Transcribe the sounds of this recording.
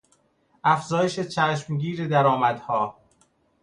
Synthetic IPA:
æfz̥ɒːje̞ʃet͡ʃʰæʃmɟiːɾed̪æɾɒːmæd̪hɒː

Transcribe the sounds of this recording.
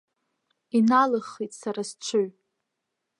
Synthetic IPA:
inalɨχːijtʼsaɾast͡ʃʷʰʊɥ

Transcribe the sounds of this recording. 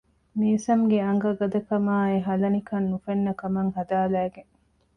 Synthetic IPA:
miːsɐmɡeɐŋɡɐɡɐd̪ɐkɐmaːeɦɐlɐnikɐnːufenːɐkɐmɐŋɦɐd̪aːlæːɡeŋ

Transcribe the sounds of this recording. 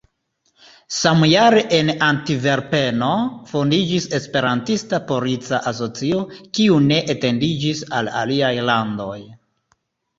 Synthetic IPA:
samjaɾeʔenantive̞ɾpe̞no̞fo̞ndid͡ʒise̞spe̞ɾantistapo̞ɾit͡saʔas̬o̞t͡siokiune̞ʔete̞ndid͡ʒisa̰la̰liajlando̞j

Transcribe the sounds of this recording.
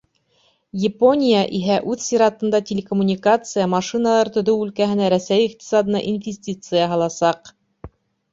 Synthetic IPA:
jɪpo̞nʲijaʔiɦæʔʉθsʲiɾɑt̪ɤ̆nd̪ɑtʲelʲekomunʲikat̪sɨjəmɑʃɨnɑlˠɑɾt̪ɵ̆ðɵwʉlkæɦɘ̆næɾæsæjiqt̪ʲi̥sɑd̪ɤ̆nɑ̰ʔinvʲɪsʲtʲit̪sɨjəɦɑlˠɑsɑq

